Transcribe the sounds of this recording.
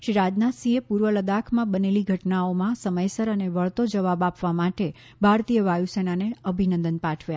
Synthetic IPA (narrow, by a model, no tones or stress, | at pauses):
ʃiɾad͡ʒnat̪sĩepuɾʋələd̪akʰmãbəneliɡʱəʈnaomãsəməjsəɾəneʋəɭt̪od͡ʒəʋabapʋamaʈe | bʱaɾt̪ijəʋajusenaneəbʱinənd̪ənpãʈʰʋja